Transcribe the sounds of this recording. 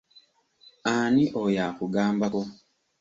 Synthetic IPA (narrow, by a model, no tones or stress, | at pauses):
aːniʔojakuɡaːmbako̞